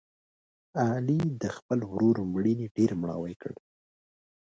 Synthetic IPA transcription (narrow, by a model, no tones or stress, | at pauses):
ɑlid̪əxpəlwɾoɾomɽiniɖeɾmɽɑ̰wajkəɽ